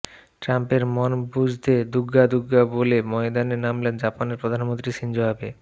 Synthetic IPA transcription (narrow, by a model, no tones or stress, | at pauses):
ʈɾampeɾmonbud͡ʑʱt̪ed̪uɡːad̪uɡːabolemɔed̪aneɾnamlend͡ʑapaneɾpɾod̪ʱanmont̪ɾiʃind͡ʑoɦabe